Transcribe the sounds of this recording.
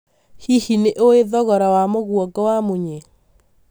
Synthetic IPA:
hihineʔoeðɔɣɔɾawamoɣwɔɡɔwamoɲe

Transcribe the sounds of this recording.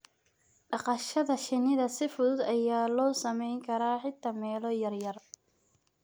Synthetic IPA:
ɖɑqɑʃɐðɐʃɪnɪðɐsɪfʊðʊd̪ɐjaːlɔːsɐmɛjŋkʰɐɾaːħɪt̪ʰɐmɛːlɔjɐrjɐr

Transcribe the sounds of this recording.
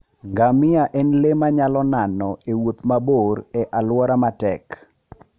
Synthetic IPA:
ɡamɪaʔɛnlemaɲalɔnanɔewot̪maboɾɛʔalwɔɾamatɛk

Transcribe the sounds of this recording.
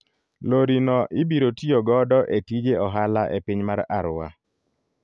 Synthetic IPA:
loɾinɔʔɪbiɾotioɡɔdɔʔetid͡ʒeɔɦalaʔepiɲmaɾaɾwa̰

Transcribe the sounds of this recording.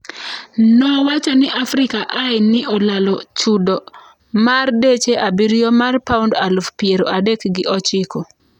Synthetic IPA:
nɔwat͡ʃɔnɪʔafɾɪkaʔaɪnɪɔlalɔt͡ʃudɔ | mardet͡ʃeʔabiɾijɔmarpaundalufpjeɾo̰ʔadekɡɪʔɔt͡ʃɪko

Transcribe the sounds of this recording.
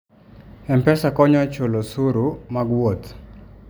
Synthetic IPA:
ɛmpɛsakɔɲɔt͡ʃolosuɾumaɡwot̪

